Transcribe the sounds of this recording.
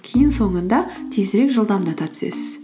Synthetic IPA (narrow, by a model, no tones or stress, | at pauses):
kʲʰejɪnso̞ɴənd̪ɑt̪ʰezɾe̞kʒəlˠd̪ɑmd̪ɑt̪ɑt̪ʰʏ̥sḛs